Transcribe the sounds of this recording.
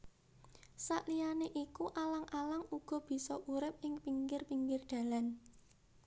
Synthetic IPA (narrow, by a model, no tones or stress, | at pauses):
saʔlijaneʔikuʔalaŋʔalaŋuɡ̥ɔ̤b̥i̤sɔʔuɾɪp̚ɪŋpiŋkɪrpiŋkɪrɖ̪̥a̤lan